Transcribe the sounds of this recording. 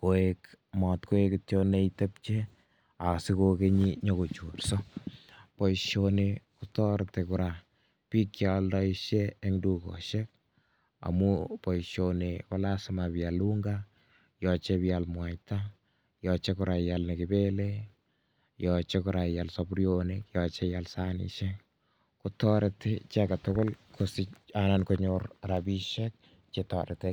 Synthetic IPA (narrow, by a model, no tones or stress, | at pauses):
koekmɔtkoekɪtjoneitɛp̚t͡ʃe | asikokeɲiɲɔkot͡ʃurso | pɔiʃonekutɔɾtekuɾa | pikjaldɔiʃeːŋdukɔ̰ʃek̚ | a̰mupɔiʃonekɔlasɪmapjaluŋɡa | jɔt͡ʃepijalmwajta | jɔt͡ʃekʊɾʔajalnekɪbele | jɔt͡ʃekʊɾajalsɔbɾionikjɔt͡ʃejalsanḭʃɛ | kutɔɾetet͡ʃɛkatokolkʰosianankoɲoɾɾabiʃɛk̚ | t͡ʃetɔɾɪte